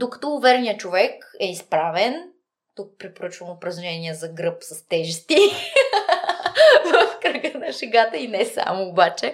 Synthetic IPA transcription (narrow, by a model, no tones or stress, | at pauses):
d̪okɐ̥t̪ɔvɛɾnijət͡ʃovɛkɛispɾavɛn | t̪uk̚pɾɛpoɾət͡ʃvəmʊpɾɐzʒɛnʲiɛzɐɡɾɤpsɐst̪ɛʒɛst̪i | vɐfkɾəɡənɐʃɛɡat̪əinɛsa̰moːbat͡ʃɛ